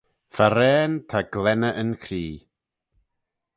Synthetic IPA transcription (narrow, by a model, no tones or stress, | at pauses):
faɾɛːntʰaɡlɛnəʔənkʰriː